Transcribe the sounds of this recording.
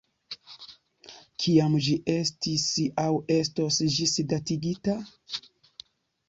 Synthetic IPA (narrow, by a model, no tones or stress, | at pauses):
kʰiamd͡ʒiʔe̞stisawe̞stosd͡ʒisdatiɡita